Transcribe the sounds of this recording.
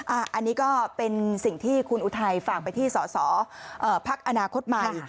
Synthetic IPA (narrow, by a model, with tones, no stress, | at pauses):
ʔa˧˩ʔa˧nːiː˦˥kɔː˥˩pe˧nsi˨˩ŋt̪ʰiː˥˩kʰu˧nʔuː˧˩t̪ʰa˧jfaː˨˩k̚pa˧jt̪ʰiː˥˩sɔː˩˦sɔː˩˦ʔɤː˨˩pʰa˦˥k̚ʔa˧naː˧kʰo˦˥t̪̚ma˧˨˩